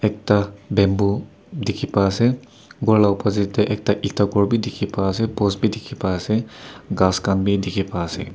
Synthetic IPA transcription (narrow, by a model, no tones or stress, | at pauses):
ɛk̚tabɛmbu | dikʰipaːsɛ | bɔɹlawpazitɛʔɛk̚taʔitakɔɹbidikʰipaːsɛpɔsbidikʰipaːsɛɡaskanbidikʰipaːsɛ̰